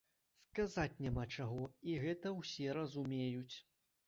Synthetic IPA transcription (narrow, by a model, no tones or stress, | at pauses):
skazat͡sʲnʲamat͡ʂaɣɔiɣɛt̪ɐwsʲɛɾɐzumʲejut͡sʲ